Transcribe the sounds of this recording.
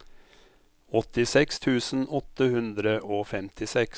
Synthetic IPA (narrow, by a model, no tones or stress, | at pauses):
ɔt̪ɪsɛkst̪ʰʉːsn̩ʔɔt̪ːəhʉnd̪ɾəʔoːfɛmt̪ʰɪsɛks